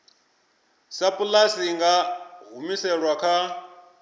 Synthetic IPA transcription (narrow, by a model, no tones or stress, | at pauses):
sapʼulasiŋɡaɦumisɛɺwakʰa